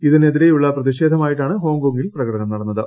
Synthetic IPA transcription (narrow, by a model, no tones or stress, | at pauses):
iðine̞ðiɾe̞juɭːɐprɐðiɕeːd̪ʱɐmaːjiʈ̬ːaːɳɨɦo̞ːŋɡoːŋɡilprɐɣɐɽɐnɐmnɐɽɐnːɐðɨ